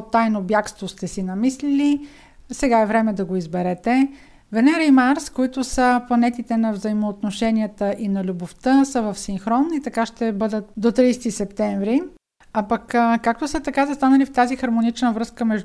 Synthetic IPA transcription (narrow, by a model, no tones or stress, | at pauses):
t̪ːajnobjakst̪vost̪ɛsinɐmislili | sɛɡaɛvɾɛmɛd̪ɐɡoizbɛɾɛt̪ɛ | vɛnɛɾɛjmaɾskoit̪ʊsəplˠɐnɛt̪it̪ɛnɐvzɐimoːt̪noʃɛniət̪əʔinɐlʲuboft̪əsəvɐfsiŋxɾɔnːit̪ɐkaʃt̪ɛbɤd̪ət̪̚d̪ot̪ɾijsɛ̥t̪isɛpt̪ɛɱvɾi | apəkkak̚t̪osət̪ɐkazɐst̪anəlift̪azixɐɾmonit͡ʃnəvɾɤskəmɛʒ